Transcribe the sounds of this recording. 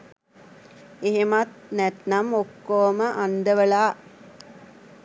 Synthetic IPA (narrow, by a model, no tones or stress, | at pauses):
eɦemat̪̚nɛt̪namokːoːməʔand̪əʋəɭaː